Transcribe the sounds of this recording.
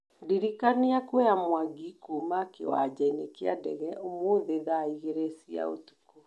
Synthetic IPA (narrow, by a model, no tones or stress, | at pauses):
diɾikaniakwɛjamwaɡikumakḛwa̰d͡ʑainekea̰dɛ̰ɣɛʔomoðeðaiɣeɾesia̰o̰tu̥ku